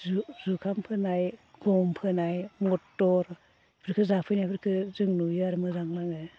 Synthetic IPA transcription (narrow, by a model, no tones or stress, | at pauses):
zukʰampʰɯnajɡ̥ɔmpʰɯnajmɔtːɔɾ | bʰɾkʰɯzapʰɯjnajbʰɯɾkʰɯzɯŋnujaɾmɯzaŋlaŋɯ